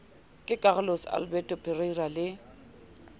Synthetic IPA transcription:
kʼɪkʼaɣʊlosa̰lbɛtʼɔpʰʼɪreiralɪ

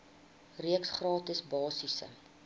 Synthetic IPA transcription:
riəksχrɑːtəsbɑːsisə̰

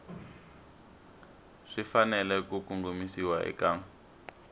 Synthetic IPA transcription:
ʂifanɛlɛkukuŋɡumisiwaʔɛ̰kaːŋ

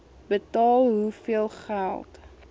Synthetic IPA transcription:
bətɑːlˠɦufiəlˠχælˠt

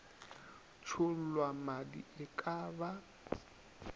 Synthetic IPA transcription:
t͡ʃʰʊl̩lwamadḭɪkʼaːba

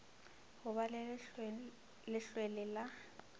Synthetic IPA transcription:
hʊβal | lɪɬwelɪla

